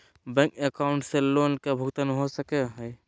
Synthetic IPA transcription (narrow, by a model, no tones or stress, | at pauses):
bɛ̃ːŋkekaːwʊɳʈseloːnkebʱʊkt̪ənɦosəkeɦɛː